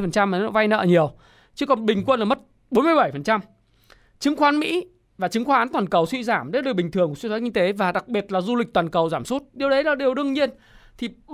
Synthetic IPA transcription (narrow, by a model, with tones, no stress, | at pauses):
jfə˨˩nt͡ɕa˧mː˨˩nɔ˧˥va˧jnə̰ː˧˨ɲi˨˩əw | t͡ɕɨ˨˦kɔ˨˩nɓï˨˩ŋ̟kwə˧nlaː˨˩mə˦˥t̚ | ɓo˨˦nmɨ˧jɓə˧˩jfə˨˩nt͡ɕa˧m | t͡ɕɨ˨˦ŋxwaː˨˦nmḭ˧˥ | vaː˨˩t͡ɕɨ˨˦ŋxwaː˨˦ʔːnt̪waː˨˩nkə˨˩wswḭ˧˨zaː˧˩mɗə˨˦˨ɗ̚ɓi˨˩ŋ̟t̪ʰɨ˨˩əŋkːsi˧t̪ʰaː˦˥k̚ʔi˧t̪e˨˦vaː˨˩ɗa˨˩k̚ɓi˨˩ət̚laː˨˩zu˧lï˨˩k̟̚t̪waː˨˩nkə˨˩wzaː˧˩msu˦˥t̚ɗi˨˩əwɗə˨˦jlaː˨˩ɗi˨˩əwɗɨ˧əŋɲi˧ən | t̪ʰi˨˩